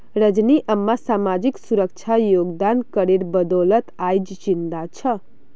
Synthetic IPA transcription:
ɾəd͡ʒniʔəmːasamad͡ʒiksuɾək̚t͡ʃʰajoɡd̪ankəɾeɾbəd̪ɔlət̪ajd͡ʒt͡ʃint̪at͡ʃʰʌ

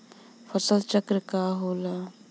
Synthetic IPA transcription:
fəsəlt͡ʃəkɾəkaɦoːla

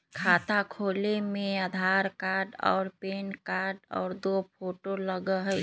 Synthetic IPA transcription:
kʰat̪akʰoːlemẽəd̪ʱaɾkaːɾɖɔ̰ːɾpeːnkaɾɖɔ̰ːɾd̪opʰoːʈoləɡəɦə

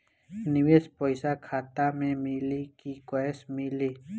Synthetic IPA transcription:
niwespojsakʰat̪amẽmilikikoesmili

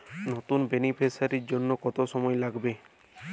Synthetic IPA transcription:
not̪unbenipʰesaɾiɾd͡ʒonːokɔt̪osɔmɔelaɡbe

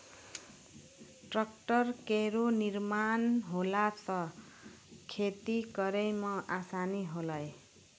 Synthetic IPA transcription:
ʈrʌkʈʌrkeɾonirmanɦolat͡sʰʌ | kʰet̪ikʌɾejmʌʔasaniɦolʌj

